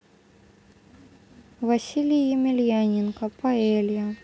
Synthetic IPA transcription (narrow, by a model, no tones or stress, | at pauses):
vɐsʲilʲɪjɪmʲɪlʲjanʲɪnkɐpɐɛlʲjɐ